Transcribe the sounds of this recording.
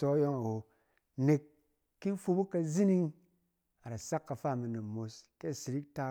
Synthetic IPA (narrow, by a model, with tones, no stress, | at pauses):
so˦jo˦ŋa˨wo˨ | ne˨kː | i˦n˦fu˦bu˦ka˦zi˦ni˦ŋ | a˨ɾa˨sa˦kːa˨fa˦˨mi˨ne˨mo˨ske˦˨si˨ɾi˦k̚ta˦